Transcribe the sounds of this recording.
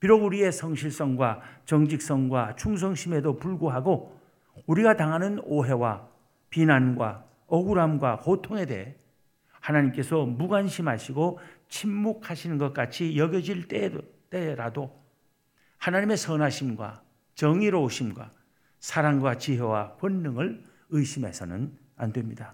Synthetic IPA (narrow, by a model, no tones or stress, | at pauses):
piɾoɡuɾie̞sʰʌŋɕʰiɭs͈ʌŋɡwat͡ɕʌŋd͡ʑik̚s͈ʌŋɡwat͡ɕʰuŋs̬ʰʌŋɕʰime̞dopuɭɡoɦaɡo | uɾiɡataŋɦanɯnoɦe̞wa | pinanɡwa̰ | ʌɡuɾamɡwahotʰoŋe̞de̞̰ɦe | hanaɲimk͈e̞sʰʌmuɡwanɕʰimɦaɕʰiɡot͡ɕʰimːuk̚ʰhaɕʰinɯnɡʌt̚k͈at͡ɕʰijʌɡjʌd͡ʑiɭt͈et͈eɾado | hanaɲime̞sʰʌnaɕʰimɡwa̰ | t͡ɕʌŋiɾooɕʰimɡwa̰ | sʰaɾaŋɡwat͡ɕiɦewa̰ɸwʌnːɯŋɯɭ | ɯiɕʰimesʰʌ̰nɯ̰n | a̰ndwemɲida